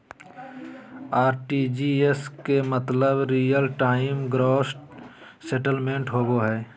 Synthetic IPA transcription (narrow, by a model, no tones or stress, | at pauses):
aːɾʈiːd͡ʒiːeskemət̪ləbɾiːjəlʈaːɪmɡɾoːsʈ | seʈəlmẽɳʈɦoːɡoɦɛː